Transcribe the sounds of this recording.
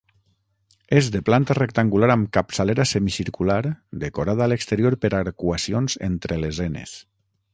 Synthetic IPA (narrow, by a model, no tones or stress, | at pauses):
ezðeplant̪arek̚t̪aŋɡulaɾamkapsaleɾasemisiɾkulaɾd̪ekoɾaðaːlekst̪eɾioɾpeɾaɾkwasionzḛnt̪ɾelezenḛs